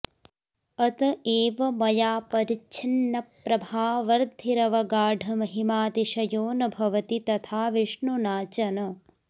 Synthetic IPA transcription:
ɐt̪ɐʔeːʋɐmɐjaːpɐɾit͡ʃʰinːɐpːɾɐbʱaːʋɐɾd̪ʱiɾɐʋɐɡaːɖʱɐmɐɦimaːd̪iʃɐjoːnɐbʱɐʋɐt̪it̪ɐt̪ʰaːʋiʂɳunaːt͡ʃɐnɐ

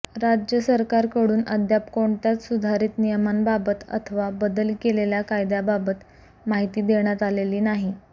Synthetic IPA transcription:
ɾad͡ʑjəsəɾkaɾkəɽuːnəd̪japkoɳt̪jat̪sud̪ʱaɾiːt̪nijəmanbabət̪ə̰t̪ʰəʋabəd̪əlkeleljakajd̪jababət̪ | maɦit̪iːd̪eɳjat̪aleliːnaɦi

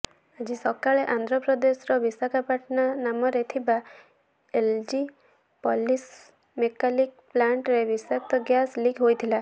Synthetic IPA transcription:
ad͡ʒisɔkaɭeʔand̪ʱɾɔpɾɔd̪esɔɾɔbisakʰapaʈnanamɔɾet̪ʰiba | eld͡ʒi | pɔlis | mekalik | plaɳʈɾebisak̚t̪ɔɡjasliɡɦojt̪ʰila

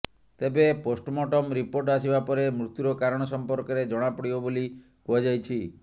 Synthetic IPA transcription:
t̪ebeposʈmɔʈɔmɾipoɾʈas̬ibapɔɾemɾut̪juɾɔkaɾɔɽ̃ɔsɔmpɔɾkɔɾed͡ʒɔɽ̃apɔɽibɔboli | kuɦad͡ʒajt͡ʃʰi

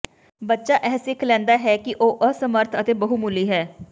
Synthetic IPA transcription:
bətːʃaːʔɛːsɪkʰlɛ̃ːnd̪aːɦɛːkɪʔoːʔəsəməɾt̪ʰət̪eːbəɦumʊliːɦɛː

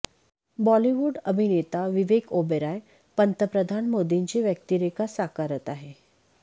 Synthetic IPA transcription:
bɔliʋuːɖəbʱinet̪aʋiʋekobeɾaj | pənt̪əpɾəd̪ʱanmod̪iɲt͡ɕiʋjək̚t̪iɾekasakaɾət̪aɦe

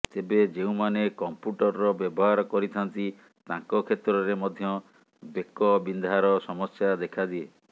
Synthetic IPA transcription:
t̪ebed͡ʒeũmanekɔmpuʈɔɾɾɔbjɔbɔɦaɾɔkɔɾit̪ʰant̪i | t̪ãŋkɔkʰet̪ɾɔɾemɔd̪ʱjɔ | bekɔbind̪ʱaɾɔsɔmɔsjad̪ekʰad̪ie

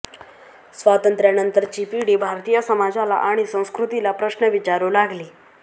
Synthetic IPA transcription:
sʋat̪ənt̪ɾjanənt̪əɾt͡ɕipiɽibʱaɾt̪ijəsəmad͡zala̰ʔaɽ̃isə̃w̃skɾut̪ilapɾəɕnəʋit͡ɕaɾulaɡliː

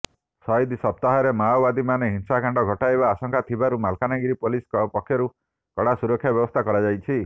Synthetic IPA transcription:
sɔjd̪isɔp̚t̪aɦɔɾemaɔbad̪imaneɦinsakaɳɖɔɡʱɔʈaebaːsɔŋkʰat̪ʰibaɾumalkanaɡiɾipoliskɔpɔkʰjɔɾu | kɔɽasuɾɔkʰːjabjɔbɔst̪ʰakɔɾad͡ʒajt͡ʃʰi

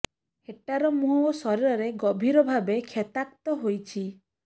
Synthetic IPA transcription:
eʈaɾɔmuɦɔsɔɾiɾɔɾeɡɔbʱiɾɔbʱabekʰet̪ak̚t̪ɔɦojt͡ʃʰi

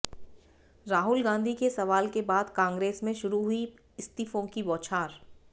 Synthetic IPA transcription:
ɾaːɦʊlɡãːnd̪ʱikesɐʋaːlkebaːd̪kãːŋɡɾeːsmẽʃʊɾuɦʊi | ɪst̪iːfõkibɔːt͡ʃʰaːɾ

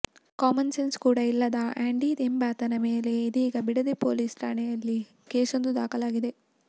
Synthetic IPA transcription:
kaːmɐnsenskuːɽɐilːɐd̪ɐʔaːɳɖid̪embaːt̪ɐnɐmeːle̞id̪iiːɡɐbiɽɐd̪ipo̰ːliːsʈɾa̰ːɳɛjɐlːi | keːsond̪ud̪aːkɐlaːɡid̪e̞

